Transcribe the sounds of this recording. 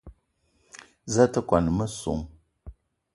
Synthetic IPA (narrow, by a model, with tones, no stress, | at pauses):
za˦tə˦kwa˨n˨mə˦so̰˨ŋ